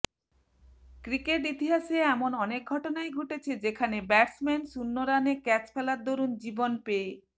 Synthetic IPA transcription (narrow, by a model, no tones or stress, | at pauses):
kɾikeʈ̬it̪iɦaseɛmonɔnek̚ɡʱɔʈonajɡʱuʈet͡ɕʰed͡ʑekʰanebɛʈsmɛnsunːoɾanekɛt͡ɕpʰelaɾd̪oɾund͡ʑibonpee